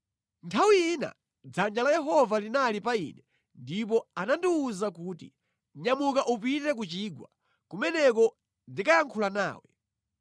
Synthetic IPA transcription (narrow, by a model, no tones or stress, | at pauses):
ntʰawiina̰ | d͡zand͡ʒalajɛɦɔvalinalipaḭːnɛ | ndip̬ɔanandiuzakuːtḭ | ɲamukaʔupitɛk̬ut͡ʃiːɡwa | kumɛnɛk̬ɔ | ndikajaŋkʰulana̰ːwɛ̰